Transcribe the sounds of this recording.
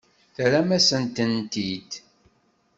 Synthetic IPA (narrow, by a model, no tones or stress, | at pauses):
θɾæmæsənt̪ənt̪id̪